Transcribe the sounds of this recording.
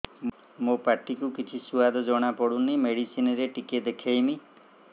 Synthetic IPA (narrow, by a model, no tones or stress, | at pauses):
mopaʈikukit͡ʃʰisuad̪ɔd͡ʒɔɽ̃apɔɽunimeɽisinɔɾeʈiked̪ekʰejmi